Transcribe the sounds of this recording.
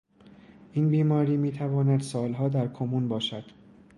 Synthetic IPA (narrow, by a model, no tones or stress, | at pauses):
ʔiːnbiːmɒːɾiːmiːt̪ʰævɒːnæd̪sɒːlɦɒːd̪æɾkʰomuːnbɒːʃæd̪̥